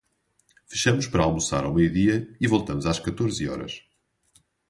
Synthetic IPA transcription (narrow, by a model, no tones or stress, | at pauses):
fɨ̥ʃɐmʊʃpɐɾɐalˠmusa̰ɾa̰wmejuðiɐivolˠt̪ɐmʊzaʃkɐt̪oɾziɔ̰ɾɐ̰ʃ